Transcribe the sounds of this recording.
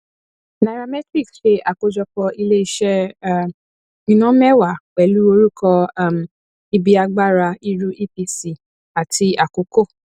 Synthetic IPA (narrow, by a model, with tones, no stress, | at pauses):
na˧ɾa˧mɛ˦tɾi˦˨ksʃe˧˦ʔa˨ko˨˧d͡ʒɔ˧kɔ˧i˧le˦i˧˦ʃɛ˦ | ĩ˧nɔ̃˦mɛ˦˨wa˨wɛ˨˦lu˦o˧ɾu˦kʰɔ˧˦˨m˨ | i˧bi˧˦a˧ɡ͡ba˦ɾa˧i˧ɾu˦ʔi˦pi˧si˦˨ | a˨tʰi˧˦a˨ko˨ko˦˨